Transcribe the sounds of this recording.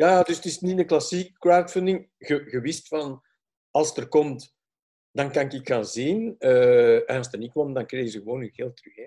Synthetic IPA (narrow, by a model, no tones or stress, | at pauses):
jaːdʏstɪsnitənklɑsikkːɹawtfɪndɪŋ | ɣəɣəwɪstfɑn | ɑlˠstərkɔmt | dɑnkɑnɪkɪkxaːnzinəɛnɑlˠst̪ərnit̚kwɔmdɑŋkreːɣəzəɣəwoːnənɣeːlˠtrye